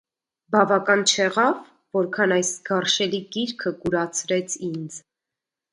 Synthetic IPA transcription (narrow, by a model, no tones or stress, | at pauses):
bɑvɑkɑnt͡ʃʰɛʁɑvː | ɔɾkʰɑnɑjsɡɑrʃɛliɡiɾkʰəɡuɾɑt͡sʰɾɛt͡sʰind͡z